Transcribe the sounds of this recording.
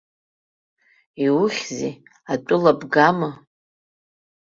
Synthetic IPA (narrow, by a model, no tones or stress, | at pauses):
iwʊχʲzi | atʷʼʊlabɡamɨ